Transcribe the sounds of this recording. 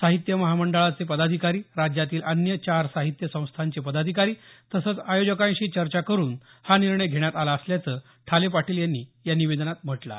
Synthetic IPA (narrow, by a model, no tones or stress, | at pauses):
saɦit̪jəməɦaməɳɖəɭat͡sepəd̪ad̪ʱikaɾiːɾad͡ʑjat̪iːlʔənjət͡ɕaɾsaɦit̪jəsə̃w̃st̪ʰaɲt͡ɕepəd̪ad̪ʱikaɾiːt̪əsəːt͡sajod͡ʑəkãɕiːt͡ɕəɾt͡ɕakəɾuːn | haniɾɳəjɡʱeɽ̃jat̪alaəsljat͡səː | ʈʰalepaʈʰiːljanːiːjaniʋed̪ənat̪̚m̤əʈla̰